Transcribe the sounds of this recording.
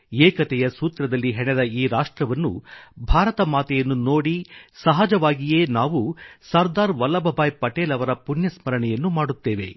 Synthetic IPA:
eːkɐt̪ɛjɐsuːt̪ɾɐd̪ɐlːiɦɛɳɛd̪ɐiːɾaːʂʈɾɐʋɐnːṵbʱaːɾɐt̪ɐmaːt̪ɛjɐnːunoːɽisɐɦad͡ʒɐʋaːɡijeːnaːʋusɐɾd̪aːɾʋɐlːɐbʱɐbʱaːjpɐʈeːlɐʋɐɾɐpunjɐsmɐɾɐɳɛjɐnːumaːɽut̪ːeːʋe̞̰

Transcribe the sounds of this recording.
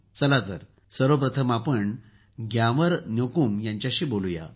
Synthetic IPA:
t͡səlat̪əɾ | səɾəp̬ɾət̪ʰəmapəɳ | ɡjaʋəɾnjokumjãɲt͡ɕjaɕiːboluja̰

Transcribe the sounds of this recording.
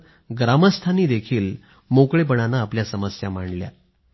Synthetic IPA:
ɡɾaməst̪ʰaniːd̪ekʰiːl | mokɭepəɽanaːpljasəməsjamaɳlja̰

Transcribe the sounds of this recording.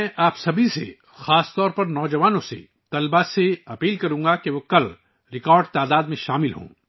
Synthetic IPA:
ɛ̃ʔaːpsɐbʱisḛ | xaːst̪ɔːɾpɐɾnɔːd͡ʒɐʋaːnõsḛ | t̪ɐlbaseɐpiːlkɐɾũːŋɡakeʋokɐl | ɾɪkɔːɾɖt̪aːd̪aːd̪mẽʃaːmɪlɦṵ̃ː

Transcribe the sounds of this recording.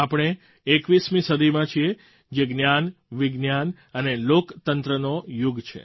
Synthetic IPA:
apɽ̃e | ekʋismĩsəd̪ʱimãt͡ʃʰie | d͡ʒeɡnjanʋiɡnjan | ənelokt̪ənt̪ɾənojuɡt͡ʃʰḛ

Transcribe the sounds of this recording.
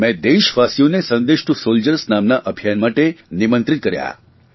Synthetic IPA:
mɛ̃d̪eʃʋasijonesə̃nd̪eʃʈusold͡ʒəɾəsnamnaʔəbʱijanmaʈenimə̃nt̪ɾit̪̚kəɾja̰

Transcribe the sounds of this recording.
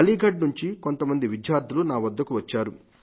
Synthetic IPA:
ɐliːɡʱɐɖnuɲt͡ʃiko̞nt̪ɐmɐnd̪iʋid̪jaːɾd̪ʱulunaːʋɐd̪ːɐkuʋɐt͡ʃːaːɾu

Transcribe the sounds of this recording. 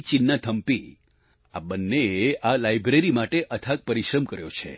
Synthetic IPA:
t͡ʃinːat̪ʰəmpi | a̰bənːeealajbɾeɾimaʈeʔət̪ʰak̚pəɾiʃɾəmkəɾjot͡ʃʰḛ

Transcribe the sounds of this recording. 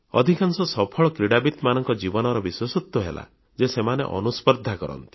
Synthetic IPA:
ɔ̰d̪ʱikansɔsɔpʰɔɭɔkɾiɽabit̪manɔŋkɔd͡ʒibɔnɔɾɔbiswɔsut̪wɔɦḛla̰ | d͡ʒesemanḛʔɔ̰nuspɔɾd̪ʱakɔɾɔ̰nt̪i̥

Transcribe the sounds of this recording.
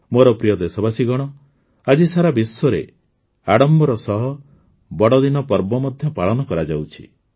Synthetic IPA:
moɾɔpɾijɔd̪esɔbasiɡɔɽ̃ɔ | ad͡ʒisaɾabisɔɾe | aɽɔmbɔɾɔsɔɦɔ | bɔɽɔd̪inɔpɔɾbɔmɔd̪ʱjɔpaɭɔnɔkɔɾad͡ʒawt͡ʃʰi̥̰

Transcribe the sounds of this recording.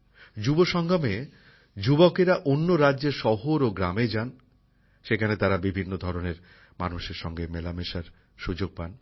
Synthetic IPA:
d͡ʑuboʃɔŋɡʱame | d͡ʑubokeɾaʔonːoɾadʑeɾʃɔɦoɾoɡɾamed͡ʑan | ʃekʰanet̪aɾabibʱinːod̪ʱɔɾoneɾ | ma̰nuʃeɾʃɔŋɡemelameʃaɾ | ʃud͡ʑoɡ̚pan

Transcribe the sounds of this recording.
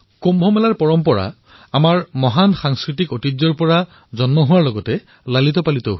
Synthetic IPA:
kombʱɔmɛlaɹpɔɹɔmpɔɹa̰ | amaɹmɔɦanxaŋskɹitikotizɔɹpɔɹa | zɔnmɔɦʊwaɹlɔɡɔtɛ | lalitɔpalitɔ

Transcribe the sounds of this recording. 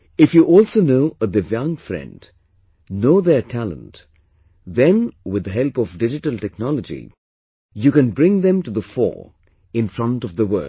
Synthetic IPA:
ɪfjuʔɔlˠsonoʊəðɨvjʌ̃ŋfɹɛ̰̃nd | noʊðə˞tʰælə̰̃nt | ðɛ̃nwɪd̪əɦɛlˠpɔvdɪd͡ʒɨʈəlˠtɛk̚nɑləd͡ʒḭ | jukɨ̃nbɹɪ̃ŋðɛ̃mtuðəfɔ̰ɹ | ɪ̃nfɹʌ̃ntʌvðəwɜ̰˞

